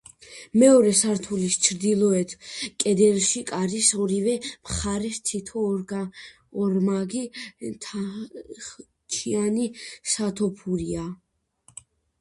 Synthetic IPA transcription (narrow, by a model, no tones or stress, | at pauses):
mɛɔɾɛsaɾt̪ʰulist͡ʃʰɾd̪ilˠɔɛt̪ʰkʼɛd̪ɛlʃikʼaɾisɔɾivɛmχaɾɛst̪ʰit̪ʰɔ | ɔɾmaɡit̪ʰ | t͡ʃʰianisat̪ʰɔpʰuɾia